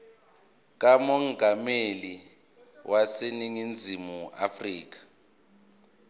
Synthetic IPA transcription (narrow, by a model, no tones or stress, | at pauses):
k̬amɔŋameli | wʔaseniŋind͡zʱimua̰friːk̬ḁ